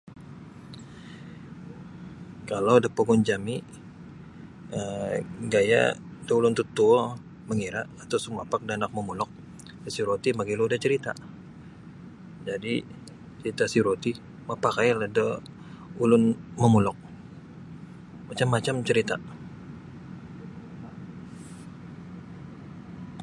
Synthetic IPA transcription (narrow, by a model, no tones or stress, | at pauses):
kalawdapoɡʊnd͡ʒami | əɡaja̰dəulʊnt̪ut̪u | məŋiɾaʔːt̪awsəmapak̚danak̚məmulɔk̚ | dəsiɾot̪imaɡiloudaht͡ʃəɾit̪a̰ | d͡ʒadi | t͡ʃəit̪asiɾot̪i | mapakajladə | ulʊnməmulɔk̚ | mat͡ʃamːat͡ʃamt͡ʃəɾit̪a̰